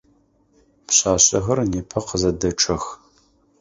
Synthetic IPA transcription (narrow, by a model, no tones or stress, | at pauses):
pɕʼaːɕʼɐxɐrneːpʰɐqəzɐdɐʈ͡ʂʰʼɐx